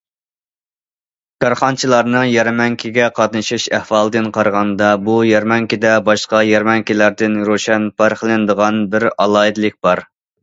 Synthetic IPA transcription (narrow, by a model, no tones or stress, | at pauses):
kʰɑɾχɑnt͡ʃʰilˠɑɾnɨŋjɛɾmɛŋkʲʰiɡʲɛqʰɑt̪̚nɨʃiʃæhwɑlˠd̪ɨnqʰɑɾʁɑnd̪ɑbujɛɾmɛŋkʲid̪ɛbɑʃqɑjɛɾmɛŋkʲilæɾd̪ɪnɾuʃɛnpʰɑɾqəlˠɨnd̪əʁɑnbɪɾɑ̰lˠɑːid̪lɪk̚ʲb̥ɑɾ